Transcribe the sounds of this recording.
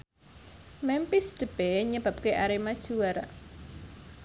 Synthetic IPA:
mɛmpisd̪̥ə̤b̥ɛɲəb̥a̤p̚keʔaɾemad̥ʒ̥uaɾa

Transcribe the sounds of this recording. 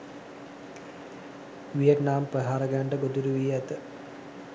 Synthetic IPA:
ʋijəʈnaːmprəɦaːɾɐɡaːɳɖəɡod̪uɾuʋijəɛt̪ə

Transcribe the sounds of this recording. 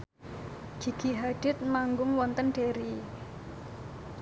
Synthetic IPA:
ɡ̥i̤ɡ̥i̤ɦaɖ̥ɪ̤t̪̚maŋɡʊŋwɔnt̪ənɖ̥eɾi

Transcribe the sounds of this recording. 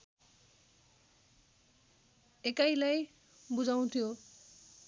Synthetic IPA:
ekajlaj | bud͡ʑaw̃t̪ʰijo

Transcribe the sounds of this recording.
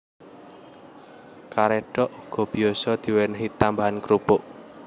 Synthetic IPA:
kaɾɛɖ̥ɔʔuɡ̥ɔ̤b̥i̤ɔsɔd̪̥i̤wɛnɦit̪ambaɦankɾupʊʔ

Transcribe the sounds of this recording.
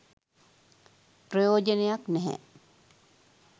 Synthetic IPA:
pɾojoːd͡ʒənejaknɛɦɛ̰

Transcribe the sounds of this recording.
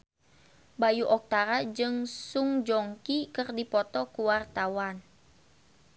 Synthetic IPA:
bajuʔɔk̚t̪aɾad͡ʒɨŋsuŋd͡ʒɔŋkikɨrdipɔt̪ɔkuwart̪awan

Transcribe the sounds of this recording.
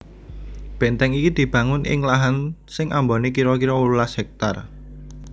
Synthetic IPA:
b̥ɛ̤nt̪ɛŋikid̪̥i̤b̥ä̤ŋʊnʔɪ̰ŋlaɦansɪŋʔa̰mbonekiɾɔkiɾɔwululasɛk̚t̪ar

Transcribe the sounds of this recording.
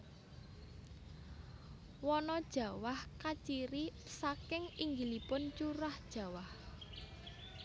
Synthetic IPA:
wɔnɔd̥ʒ̥ä̤wahkat͡ʃiɾisakɪŋiŋɡilipʊnt͡ʃuɾahd̥ʒ̥ä̤wah

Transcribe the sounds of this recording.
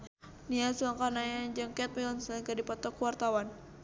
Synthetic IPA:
niasuaŋkanajad͡ʒaŋkɛt̪̚milɔnsakadipɔt̪ɔkuwart̪awan

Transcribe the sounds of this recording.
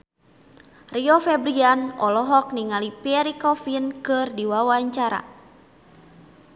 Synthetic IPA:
riɔfɛbɾianɔlɔɦɔk̚niŋalipiɛɾikɔfinkɨrdiwawaɲt͡ʃaɾa̰

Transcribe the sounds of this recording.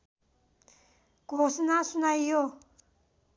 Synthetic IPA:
ɡ̥osinasunaijo

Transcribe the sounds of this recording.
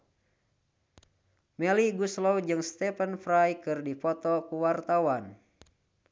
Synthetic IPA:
mɛliɡuslɔwd͡ʒɨŋst̪ɛpənfɾajkɨrdipɔt̪ɔkuwart̪awan

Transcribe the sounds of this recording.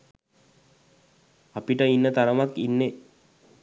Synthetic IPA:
apiʈəinːət̪aɾəmakinːe

